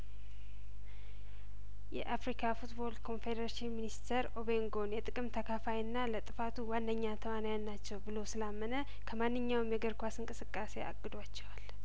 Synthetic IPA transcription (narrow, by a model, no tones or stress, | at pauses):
jɛ̰ʔafɾikʰafut̪bo̞ld̪kʰo̞nfed̪əɾaʃinminist̪ʰəɾo̞βe̞ŋɡo̞njɛt̪ʼɨkʼɨmt̪ʰəkʰafajɨnːalət̪ʼɨfat̪ʰuwand̪əɲːat̪ʰəwanajannːat͡ʃːɛwbɨlo̞sɨlamːənə | kʰəmanːɨɲːawmjɛɡəɾkʷasɨŋkʼɨsɨkʼːase̞a̰ɡʼːɨd̪wat͡ʃːɛwal